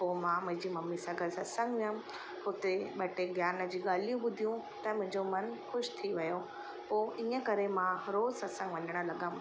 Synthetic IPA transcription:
poːmãmʊ̃ɦɪ̃d͡ʑiːmɐmːisɐɡəlsɐtsə̃ŋɡʋijəm | hʊt̪eɓeːʈeɡjaːnə̆d͡ʑiːɠaːl̤ijũɓʊd̪ʱijũ | t̪ɐmʊ̃ɦɪ̃ɲd͡ʑomɐnxʊʃt̪ʰiʋɐjo | poːʔiːə̃kɐɾemãɾoːzsɐt̪sə̃ŋɡʋɐɲəɽ̃ə̆lɐɠəm

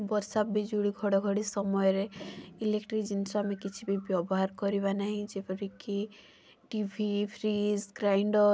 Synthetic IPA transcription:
bɔɾsapbid͡ʒuɽiɡʱɔɽɔɡʱɔɽisɔmɔjɔɾeilekʈɾikd͡ʒinsɔamekit͡ʃʰibibjɔbɔɦaɾkɔɾibanaɦĩd͡ʒepɔɾiki | ʈibʱipʰɾizɡɾajɳɖɔ

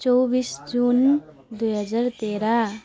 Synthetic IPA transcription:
t͡ʃɔbiːsd͡ʒuːn | d̪uɦəd͡ʒaːɾt̪eːɾa

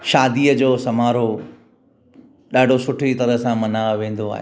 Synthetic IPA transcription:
ʃaːd̪iːəd͡ʑoːsɐmaːɾo | ɗaːɖʱosʊʈʰit̪ɐɾəɦsãmɐnaːʋʋẽːn̆d̪oa̰ːɦḛː

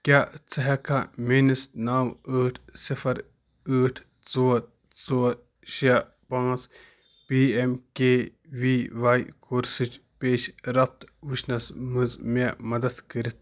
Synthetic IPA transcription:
kʲaːt͡sɐɦɐkʰamenisnaːwəːʈʰsifʰɐɾ | əːʈʰ | t͡soːt | t͡soː | ʃia | pãːt͡s | piːemkʲeː | ʋiʋaːjkʰoːɾsɨt͡ʃpeːʃɾɐpt̪ʋiʃnɐsmɨzmemɐd̪ɐd̪kəɾit̪̚ʰ

